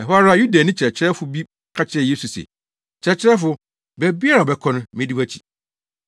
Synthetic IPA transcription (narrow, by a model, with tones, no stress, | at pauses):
ɛ˨ɦɔ˦a˦ɾa˦ju˦da˨nɪ̃˦t͡ɕʰɪ˨ɛ˨t͡ɕʰɪ˦ɾɛ˦fʊ˨bi˦ | kʰa˦t͡ɕʰɪ˦ɛ˦˨je˦su˨sɛ̰˨ | t͡ɕʰɛ˨t͡ɕʰɪ˦ɾɛ˦fʊ˦ | bɛ˨bi˦a˦ɾa˨bɛ˦kʰɔ̃˦nʊ̃˦mɪ̃˦di˦wæ˦t͡ɕʰi̥˨